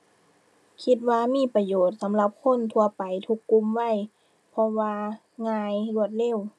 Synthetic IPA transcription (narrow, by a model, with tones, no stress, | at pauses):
kʰi˧t̪̬̚waː˧miː˧˥˨pa˧joː˨˩t̪̚sa˨˦mla˧p̚kʰo˧˥˨nt̪ʰu˧ɐpa˨jt̪ʰu˧˥kːu˧˨mwa˥˩˨j | pʰɔ˧waː˧ | ŋaː˧jlu˧˩ət̪̚leː˧˥˨w